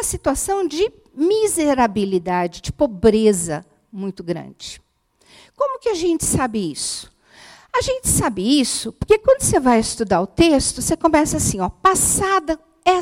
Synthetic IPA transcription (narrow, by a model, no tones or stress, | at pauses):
ɐsit̪uasɐ̃w̃d͡ʒɪ | mizeɾabilid̪ad͡ʒɪd͡ʒɪpobɾezɐ | mũj̃t̪ʊɡɾɐ̰̃d͡ʒɪ | kõmʊkɪaʒẽnt͡ʃɪ̥sabɪisʊ̥ | aʒẽnt͡ʃɪ̥sabɪisʊpoɾkekwɐ̃nd̪ʊsevajɪst̪ud̪aɾʊt̪est̪ʊsekõmɛsɐːsĩɔpasad̪ɐ | ɛ